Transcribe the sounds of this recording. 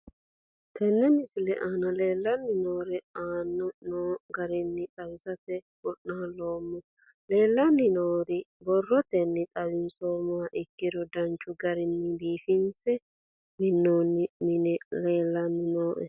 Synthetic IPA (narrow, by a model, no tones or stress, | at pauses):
t̪ʰɛnːɛmɪsɪlɛʔaːnɐle̞ːlːɐnːɪnoːɾɛaːnːɔnoːɡɐɾɪnːɪt̪ʼɐwɪsɐt̪ɛ | bɔʔnaːloːmːʊ | le̞ːlːɐnːɪnoːɾɪbɔrːɔt̪ɛnːɪt̪ʼɐwɪnsoːmʊɐʔɪkːɪd̪ɔd̪ɐnt͡ʃːʊɡɐɾɪnːɪd̪iːfɪnsɛ | mɪnːoːnːɪmɪnɛleːlːɐnːɪnoːʔɛ̰